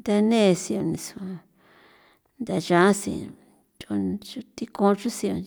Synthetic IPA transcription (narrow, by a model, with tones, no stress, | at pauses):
nd̪a˧nẽ˦˧si˧o˧nĩ˧su̥˧a˧ | nd̪a˧ʒã˨˧˦sḭ˧˨ | t͡ʃo˧t͡ʃu˧t̪i˧kõ˧t͡ʃu˦si˧o˧˨˧